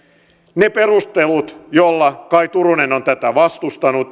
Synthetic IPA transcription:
neperust̪elut̪jolːɑkɑit̪urunenont̪æt̪æʋɑst̪ust̪ɑnut̪

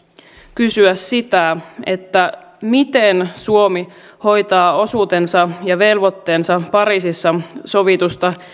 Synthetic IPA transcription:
kysyæsːit̪æe̞t̪ːæ | mit̪ensuo̞mi | ho̞jt̪ɑːo̞suːt̪e̞nsɑjɑʋe̞lʋo̞t̪ːe̞ːnsɑpɑɾiːsisːɑso̞ʋit̪ust̪ɑ

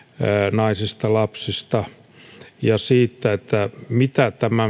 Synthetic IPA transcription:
nɑisist̪ɑlɑpsist̪ɑ | jɑsiːt̪ːæet̪ːæmit̪æt̪æmæ

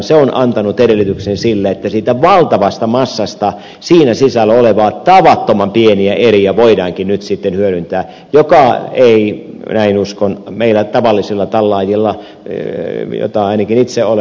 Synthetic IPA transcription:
nseonʔɑ̰nt̪ɑnut̪eɾelːˑit̪yksensilːeet̪ːæsiːt̪æʋɑlt̪ɑʋɑst̪ɑmɑsːɑst̪ɑ | siːnæsisælːæoleʋɑːt̪ɑʋɑt̪ːomɑmpieniæʔeriæʋoidɑːŋkinnyt̪sit̪ːenhyøɾynt̪æː | jokɑei | næinuskonmeilæt̪ɑʋɑlːisilːɑt̪ɑlːɑːjilːɑ | jo̰t̪ɑɑinɑkinit̪seole

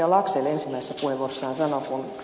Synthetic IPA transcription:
ɑlɑkselensimːæise̥sːæpueʋorsːɑːnsɑnokun

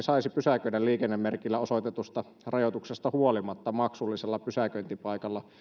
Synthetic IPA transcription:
sɑisipysækøidælliːkenːemːerkilːæosot̪et̪ust̪ɑ | rɑjot̪uksest̪ɑhuolimɑt̪ːɑmɑksulːiselːɑpysækønt̪ipɑikɑlːɑ

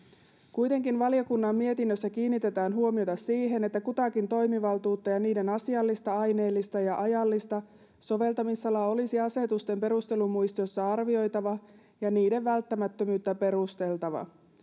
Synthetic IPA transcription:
kujt̪e̞ŋkinʋɑljokunːɑmːie̞t̪inːøsːækiːnːit̪e̞t̪æːnɦuomio̞t̪ɑsiːɦe̞ne̞t̪ːækut̪ɑkint̪o̞jmiʋɑlt̪uːt̪ːɑjɑniːde̞nɑsiɑlːist̪ɑɑjne̞ːlːist̪ɑjɑʔɑjɑlːist̪ɑ | so̞ʋe̞lt̪ɑmisːɑlɑo̞lisiɑse̞t̪ust̪e̞mpe̞ɾust̪e̞lumujst̪iosːɑɑrʋio̞jt̪ɑʋɑ | jɑniːde̞ʋːælt̪ːæmæt̪ːømyːt̪ːæpe̞ɾust̪e̞lt̪ɑʋɑ̰

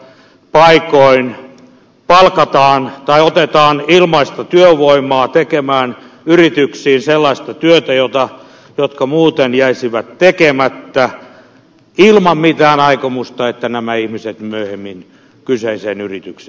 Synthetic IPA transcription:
pɑikoin | pɑlkɑt̪ɑːnt̪ɑiot̪et̪ɑːnilmɑist̪ɑt̪yøʋoimˑɑːt̪ekemæːn | yrit̪yksiːnselːɑist̪ɑt̪yøt̪æjot̪ɑ | jot̪kɑmuːt̪enjæisiʋæt̪tekemæt̪ːæ | ilmɑmmit̪æːnɑikomust̪ɑet̪ːænæmæihmiset̪myøhemːin | kyseiseːnyrit̪ykseː

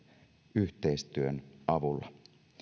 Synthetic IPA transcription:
yht̪eist̪yønʔɑʋulːɑ

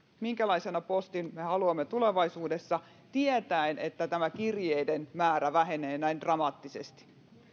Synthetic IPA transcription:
miŋkælɑisenɑpost̪inmehɑluɑmːet̪ule̞ʋɑisuːdesːɑ | t̪iet̪æenet̪ːæt̪æmækirjejdenmæːɾæʋæɦeneːnæind̥rɑmɑːt̪ːisest̪i̥

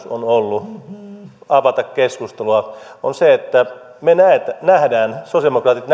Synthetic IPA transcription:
so̰nolːu | ɑʋɑt̪ɑkkeskust̪eluɑonseet̪ːæ | menæet̪ænæhdæːnsosiemokrɑːt̪it̪n

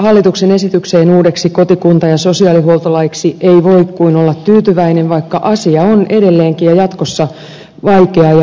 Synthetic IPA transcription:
hɑlːit̪uksene̞sit̪ykseːnuːdeksikot̪ikunt̪ɑjɑso̞siɑliɦuolt̪ɑlɑiksieiʋoikkuinolːɑt̪t̪yːt̪yʋæineʋʋɑikːɑʔɑsiɑonedelːeːŋkijɑjɑt̪kosːɑ | ʋɑikeɑjɑ

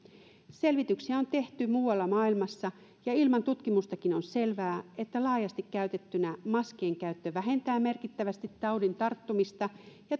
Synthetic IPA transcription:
se̞lʋit̪yksiæo̞nt̪e̞ht̪ymuːwɑlːɑmɑːilmɑsːɑ | jɑilmɑnt̪ut̪kimust̪ɑkinonse̞lʋæːe̞t̪ːælɑːjɑst̪ikkːæyt̪e̞t̪ːynæmɑske̞ːŋkæyt̪ːøʋæɦe̞nt̪æːmme̞rkit̪ːæʋæst̪it̪ːɑwdint̪ɑrt̪ːumist̪ɑjɑ

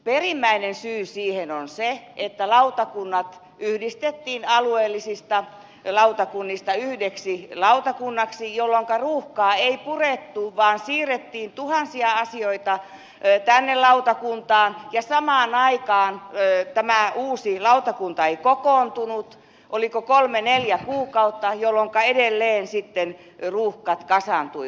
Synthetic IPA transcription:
perimːæinensyːsiːhenonseʔet̪ːælɑut̪ɑkunːɑt̪ | yhdist̪et̪ːiːnɑlueːlːisist̪ɑ | lɑut̪ɑkunːist̪ɑyhdeksilɑut̪ɑkunːɑksijolːoŋkɑruːhkɑːeipuret̪ːuʋɑːnsiːret̪ːiːnt̪uhɑnsiɑɑsioit̪ɑ | t̪ænːelɑut̪ɑkunt̪ɑːnjɑsɑmɑːnɑikɑːnt̪æmæuːsilɑut̪ɑkunt̪ɑeikokoːnt̪unut̪ | ʔolikokolmeneljækuːkɑut̪ːɑjolːoŋkɑedelːeːnsit̪ːen | ruːhkɑt̪kɑsɑnt̪ui

